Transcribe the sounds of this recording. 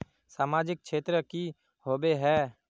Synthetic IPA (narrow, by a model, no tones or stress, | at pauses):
saːmaːd͡ʒɪk̚ʃeːt̪ɾəki | hoːbeɦɛː